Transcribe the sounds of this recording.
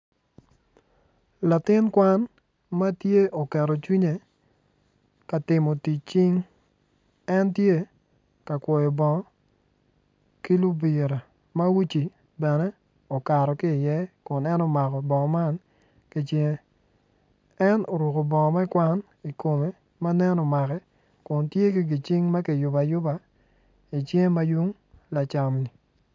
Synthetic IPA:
la˨tɪ˦nkwa˦n | ma˦tje˦o˨kɛ˨ɾɔ˨t͡ʃwi˦ɲe˨ | ka˨tɪ˨mo˨ti˨t͡ʃi˦ŋ | ɛ˦ntje˦ | ka˨kwɔ˨jɔ˨bɔ˨ŋɔ˦ | ki˦lu˦bi˨ɾa˨ | ma˦wi˦t͡ʃi˨ | bɛ˨nɛ˦ | o˨ka˨ɾɔ˨kɪ˦˨jɛ˦kʊ˨nɛ˦no˦ma˨kɔ˨bɔ˨ŋɔ˨ma˦n | ki˦t͡ʃe˦ŋe˦ | ɛ˦no˨ɾu˨ko˨bɔ˨ŋɔ˨ma˦ɪ˦kwa˦n | i˨ko˨me˨ | ma˦nɛ˦nɔ˨ma˨kɛ˦ | kʊ˨ntje˦ki˦ɡi˨t͡ʃi˦ŋma˦kɪ˨jʊ˨ba˨jʊ˦ba˨ | i˨t͡ʃje˦ŋ˦ma˦ju˦ŋ | la˨t͡ʃa˨mni˨

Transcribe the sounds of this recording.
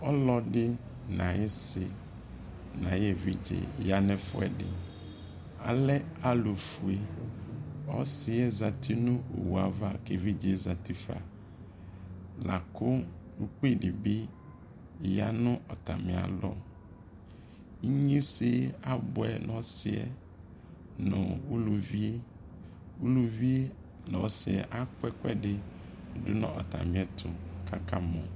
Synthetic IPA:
ɔ˦lɔ˨ɖɪ˦ | nã˨jɪ˦sɪ˨ | nã˨je˨vi˦d͡ʒḛ˨ja˦nɛ̃˦fʊ˦ɛ̰˨dɪ̰˨ | a˨lɛ˦a˦lo˨fu˨e˦ | ɔ̰˦sɪ˨˦ɛ˦za˨tʰi˦nʊ̃˦o̰˨wu˨a˨va˦˨ke˨vi˦d͡ʒe˨za˨ti˦fa̰˨ | la˨kʊ˦u˨k͡pe˦˨dɪ˨bɪ˦˨ | ja˦nʊ̃˦ʔɔ˨ta˨mɪ̃˨a̰˨lɔ˦ | i˦ɲĩ˦sɪ˦a˦bʊ˨ɛ˨nʔɔ̃˦sɪ˦ɛ̰˨ | nʊ̃˨u˦lu˨vi˦ | u˦lu˦vi˦ | nɔ̃˨˦sɪ˨ɛ̰˨ʔa˦kʊ˦ɛ˦kʊ˦ɛ˦dɪ˨˦dʊ˦nʊ̰̃˦ʔɔ˨ta̰˨mɪ̃˨˦ɛ˨tʰʊ˨kʰa˦ka˦mɔ̃˨

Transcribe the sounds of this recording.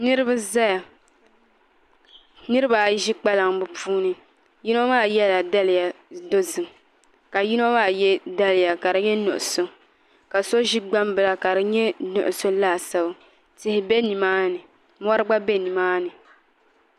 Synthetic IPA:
nɨ˦ɾɨ˦bɨ˦za˦ja˨ | nɨ˦ɾɨ˦ba˨ʒi˦k͡pa˦la˨ŋbɨ˨puː˦nɨ˦ | ji˦no˦maː˦˨jɛ˦la˨da˦lɪ˨ja˨do˦zɨ˨ŋ | ka˨ji˦no˦maː˦˨jɛ˦da˦lɪ˨ja˨ka˨ɾɨ˨ɲɛ˦nʊ˨ʔʊ˨so˨ | ka˨so˦ʒi˦ɡ͡ba˦mbɨ˨la˦ka˨ɾɨ˨ɲɛ˦nʊ̰˨ʔʊ˨so˦laː˦˨sa˦b | tɪ˨hɪ˨bɛ˦ni˨maː˦nɨ˨ | m˦ɔ˦ɾɨ˦ɡ͡ba˦bɛ˦ni˨maː˦nɨ˨

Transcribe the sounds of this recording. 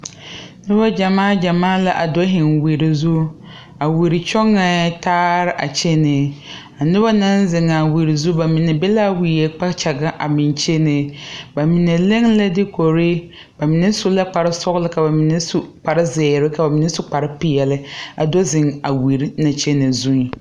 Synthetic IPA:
nɪ˦ba˦d͡ʒa˨maː˦d͡ʒa˨maː˦la˦ʔa˨do˦ɦɪ˨ŋwi˨ɾi˨zu˦ | a˨wi˨ɾɪ˨t͡ʃɔ˦ŋɛ˨˦taː˦ɾɪ˦ʔa˨t͡ʃe˦nɪ˨ | a˨nɪ˦ba˦na˦nzɪ˨ŋa˨wi˨ɾi˨zu˦ba˨mi˨nɛ˨bɛ˦la˦wi˨ɛ˨k͡pa˦t͡ʃɛ˨ɡa˦ʔa˨bɪ˨nt͡ʃe˦nɪ˨ba˨mi˨ne˨le˦ŋla˦dɪ˦ko˨ɾe˦ | ba˨mɪ˨nɛ˦sʊ˦la˦k͡pa˨ɾɪ˦sɔ˦ɣlɪ˦ka˨ba˨mi˨ne˦su˦k͡pa˨ɾɪ˦zɪː˨ɾɪ˦ka˨ba˨mi˨nɛ˦sʊ˦k͡pa˨ɾɪ˦pɪ˨ɛ˨lɪ˦a̰˨do˦zɪ˨ŋa˨wi˨ɾi˦na˨t͡ʃe˦ne˨zu˦˨

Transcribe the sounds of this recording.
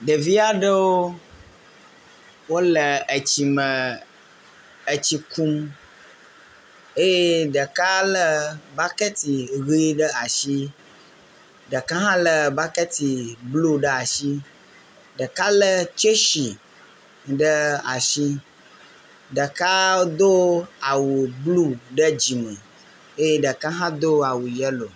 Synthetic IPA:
ɖə˨vi˦a˦ɖə˦wo˦ | wo˦lə˨ə˨t͡ɕi˨mə̃˨ | ə˨t͡ɕi˨ku˦m | e˦je˦ɖə˨ka˦lə˦ba˦kə˦t̪i˨ɣi˦ɖə˦a˨ʃi˦ | ɖə˨ka˦ɦã˦lə˨ba˦kə˦t̪i˨blu˦ɖə˦a˨ʃi˦ | ɖə˨ka˦lə˦t͡ʃe˦ʃi˨ | ɖə˦a˨ʃi˦ | ɖə˨ka˦d̪o˦a˨wu˨blu˦ɖə˦d͡ʑi˨me˨ | e˦je˦ɖə˨ka˦ɦã˦d̪o˦a˨wu˨jɛ˦lo˨

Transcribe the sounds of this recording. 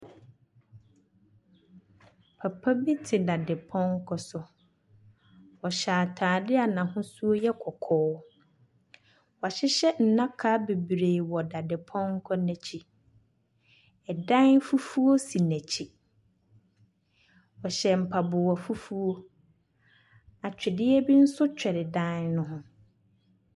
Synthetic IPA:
pʰa˨pʰa˦bi˦tʰɪ˨da˨dɪ˨pʰɔ̃˦ŋ̩˦kʰɔ˦sʊ˨ | wɔ˨ɕaː˨tʰaː˨dɪ˦a˨nã˨ɦʊ̃˦su˦o˦jɛ˦kʰɔ˨kʰɔː˦ | wɔ˨a˨ɕɪ˦ɕɛ˦n̩˨nã˦kʰa˦be˨bɾe˨wɔ˨da˨dɪ˨pʰɔ̃˦ŋ̩˦kʰɔ˦nɛ̃˨t͡ɕʰi˦ | ɛ˨dã˦n˦fu˦fu˦o˦si˨næ̃˨t͡ɕʰi˦ | ɔ˨ɕɛ˨m̩˨pʰa˨bʊ˨wɔ˨fu˦fu˦o˦ | a˨t͡ɕᶣɪ˨dɪ˦ɛ˦bi˦n̩˦sʊ˦t͡ɕᶣɛ˨ɾɪ˨dã˦nnʊ̃˦ɦʊ̃˦

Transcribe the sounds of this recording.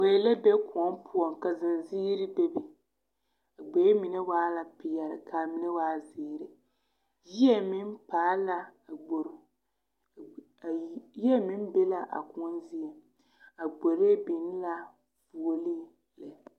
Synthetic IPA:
we˨lɛ˦be˦ku˨ɔ˦m˦pʰʊ˦ɔ˨ŋka˨zɪ˨nziː˦ɾɪ˦bɛ˦bi˨ | a˨ɡ͡be˨˦mi˨nɛ˦waː˦la˨pi˨jɛ˨ɾɨ̰˨ka˨mi˨nɛ˦waː˦ziː˨ɾɪ˨ | ji˦ɛ˦mi˦n˦paː˨˦la˦˨ɡ͡bo˨ɾ | ji˦ɛ˦mi˦n˦be˦la˦ʔa̰˨kʊ˦ɔ˦nzi˦ɛ˨ | a˨ɡ͡bo˨ɾe˦bi˨n˦la˦ | vu˨o˨li˦ | lɛ˨

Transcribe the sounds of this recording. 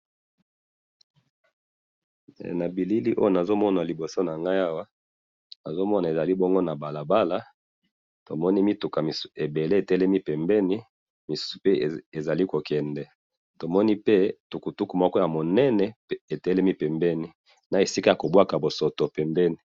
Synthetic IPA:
na˨bi˨li˦li˦ʔo˦jo˦˨na˨zo˦mɔ˦na˨li˨bo˨so˦na˨ŋɡa˦ja˦wa˦ | na˨zo˦mɔ˦na˨e˨za˨li˦bɔ˦ŋɡo˦na˨ba˨la˨ba˦la˦ | to˨mɔ˦ni˦mi˦tu˨ka˨mi˨se˨be˨le˦e˨tɛ˦lɛ˦mi˦pɛ˨mbɛ˦ni˦ | mi˨su̥˦su̥˨pe˦˨e˨za˨li˦ko˨kɛ˨ndɛ˨ | to˨mɔ˦ni˦pe˦tu˨ku˨tu˦ku˨mɔ˦kɔ˦ja˨mo˨nɛ˦nɛ˨˦e˨tɛ˦lɛ˦mi˦pɛ˨mbɛ˦ni˦ | na˨e˨si˦ka˦ja˨ko˨bwa˦ka˨bo˨so˨to˨pɛ˨mbɛ˦ni˨

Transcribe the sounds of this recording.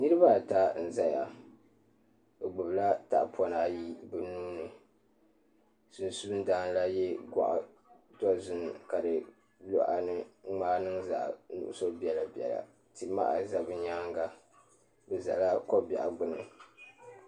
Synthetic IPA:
nɨ˦ɾɨ˦ba˦˨ta˦n̩˨za˦ja̰˨ | ɨ˨ɡ͡bʊ˨bla˦ta̰˨ʔpʰɔ˨naː˨˦ji˦bɨ˨nuː˦nɨ˨ | su˨n˨su˦bɨ˦daː˦n˦la˦jɛ˦ɡʷa̰˨ʔa̰˨ | tɔ˦zʊ˦n˨ka˨dɨ˨ | lɔ̰˦ʔa̰˨nɨ˦ŋ͡maː˦nɨ˦ŋza̰˨ʔnʊ̰˨ʔʊ̰˦so˦bi˦ɛ˨la˨bɛ̰˨la̰˨ | ti˨ma̰˦ʔa̰˨za˦bɨ˦ɲaː˦ŋɡa˦ | bɛ˨za̰˨la˦ko˦ba̰˨ʔa˨ɡ͡bʊ˦nɨ̰˨

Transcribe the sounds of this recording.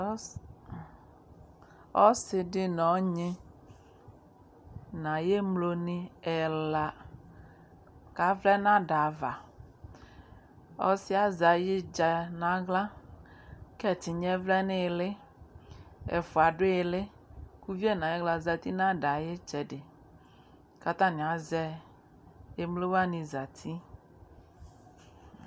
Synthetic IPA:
ɔ˦sɪ˨ɖɪ˦nɔ̃˨˦ɲẽ˦ | nã˨je˦mlo˨nĩ˦ɛ˨la˨ | ka˨vlɛ˦nã˦ɖa˨va˨ | ɔ˦si˦a˨za˨je˦d͡ʒa˨nã˨ɡlã˦ | kɛ˦˨t̪i˨ɲɛ̃˦vlɛ˦nɪ̃˦˨lɪ˦ | ɛ̰˨fo˨a˨ɖʊ˦je˨lɪ˦ | ku˦vi˦ɛ˦nã˨je˦ɡla˨za˨t̪i˦nã˦ɖa˨je˦t͡ʃɛ˨ɖɪ˨ | ka˦t̪ã˦nĩ˨a˨zɛ˦ | e˦mlo˦wa˦nĩ˨za˨t̪ʰi˦

